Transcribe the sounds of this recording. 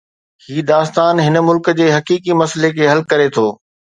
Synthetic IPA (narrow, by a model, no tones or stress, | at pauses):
hiːd̪aːst̪aːnɦɪnmʊlkd͡ʑeːɦɐkiːkimɐslekʰeːɦɐlkɐɾet̪ʰoː